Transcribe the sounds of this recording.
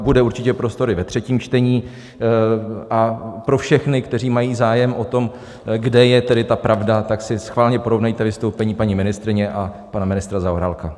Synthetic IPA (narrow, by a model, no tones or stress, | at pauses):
budɛuɾt͡ʃɪcɛpɾo̞st̪o̞ɾɪvɛt̪r̝̥ɛciːmt͡ʃt̪ɛɲiː | ʔapɾo̞fʃɛxnɪkt̪ɛr̝iːmajiːzaːjɛmʔo̞t̪o̞m | ɡdɛjɛt̪ɛdɪt̪apɾʔavdat̪aksɪsxvaːlɲɛpoɾo̞vnajt̪ɛvɪst̪owpɛɲiːpaɲimɪnɪst̪ɾɪɲɛʔa | panamɪnɪst̪ɾazaoɾaːlka